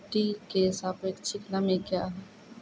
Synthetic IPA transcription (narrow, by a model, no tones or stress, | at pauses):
ʈikesaːpeːkt͡ʃʰɪknamẽkjaːɦɛ